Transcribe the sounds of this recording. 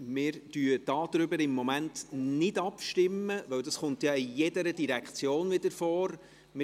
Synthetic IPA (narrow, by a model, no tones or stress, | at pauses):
mɪːɾd̥yːd̥ɑːd̪̥ɾʏbəɾɪmːɔmæntnɪdɑpʃtɪmːəʋœwdɑsχʊntjɑijɛdəɾədiɾɛkχt͡sjoːnʋɪd̪əɾfɔːɾ | mɪ